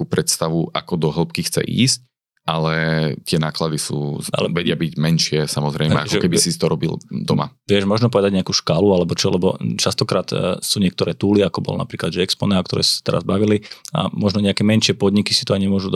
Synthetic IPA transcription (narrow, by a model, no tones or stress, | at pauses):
uːpɾɛt̪st̪aʋuʔa̰kɔd̪ɔɦl̩ˠpkixt͡sɛ̰ʔḭːsc̚ | ʔalɛt̪ɪɛnaːklad̪isṵːʔa̰lɛʋɛɟɪabiɟmɛnʃɪɛsamɔzɾɛjmɛ̰aʒɔɛkɛbisit̪ɔɾɔbḭld̪ɔma̰ʋɪɛʒmɔʒnɔp̬ɔʋɛd̪aɟɲɛakuːʃkaːlualɛbɔt͡ʃɔlɛbɔt͡ʃast̪ɔkɾaːt̪suːɲɪɛk̚t̪ɔɾɛːt̪uːliakɔbɔ̰lna̰pɾiːklad̪ʒɛɛkspɔnɛakt̪ɔɾɛ̰ːsu̥sḁt̪ɛɾa̰zbaʋilia̰mɔʒnɔɲɛakɛːmɛnʃɪɛpɔd̪ɲikisi̥t̪ɔaɲɛmʊɔʒud̪